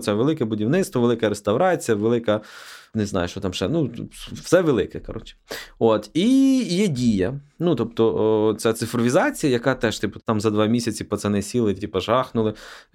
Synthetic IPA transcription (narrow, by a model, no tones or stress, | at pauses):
t̪sɛʋelˠɪkɛbʊdʲiwnɪt̪st̪ʋɔʋelˠɪkɛɾest̪ɐwɾɑt͡sʲijɐʋelˠɪkɐnɪznɑ̰jʊt͡ʃɔt̪ɑmʃɛnufsɛʋelˠɪkɛkɐɾɔ̰t͡ʃot̪ijɛdʲijɐnut̪ɔp̚t̪ɔt̪sʲɛt̪sɪfɾɔʋʲizɑt͡sʲijɐjɐkɑt̪ɛʒt̪ɪpʊ̥t̪ɑmzɐd̪ʋɑmʲisʲɐt͡sʲipɐt̪sɛnɛsʲilˠɪtʲipɐʒɑxnʊlˠɪ